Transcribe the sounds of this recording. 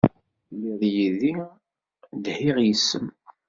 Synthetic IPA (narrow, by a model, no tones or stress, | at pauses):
liðjiði | d̪hiʁjəsːə̰m